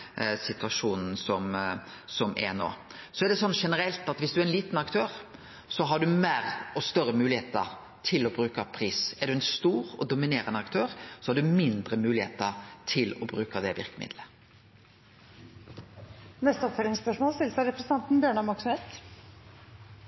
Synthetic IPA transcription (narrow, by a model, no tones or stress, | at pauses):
sɪt̪ʉɑʂuːnn̩sɔmsɔmɛ̰no̰ːsɔɛɾɖ̪ɛsɔnːʂɛnəɾɛlt̪ɑt̪ʋɪsd̪ʉæɾɛnliːt̪nɑkt̪ʰøːɾ | sɔɦɑɖʉmeːɾɔst̪œɾəmʉːlɪeːt̪ə̰ɾ | t̪ʰɪlɔbɾʉːkɑpʰɾiːsɛɖʉɛnst̪uːɾɔd̪ʊmɪneːɾənəɑkt̪ʰøːɾsɔhɑɖʉmɪnd̪ɾəmʉːlɪheːt̪əɾt̪ʰɪlɔbɾʉːkəd̪ɛʋɪ̰ɾkəmɪ̰d̪lə | nɛst̪əɔpfœlɪŋspœʂmoːlst̪ɪlsɑɾɛpɾəsəɑnt̪n̩bjøːɳɑmɔksɔmhet̪